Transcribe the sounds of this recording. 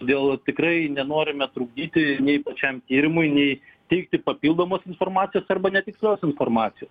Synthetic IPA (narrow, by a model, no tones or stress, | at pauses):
oːdʲeːlˠt̪ʲɪkrɐɪnʲɛnoːɾʲɪmʲɛt̪ɾuːɡd̪ʲiːt̪ʲɪnʲɛɪpɐt͡ʃʲɛmt̪ʲiːɾʲɪmʊɪnʲɛɪt̪ʲɛɪkt̪ʲɪpɐpʲiːlˠd̪oːmoːsɪnfoːrmɑːt̪sʲɪjoːsɐrbɐnʲɛt̪ʲɪksʲlʲoːsɪnfoːrmɑːt̪ʲɪjoːs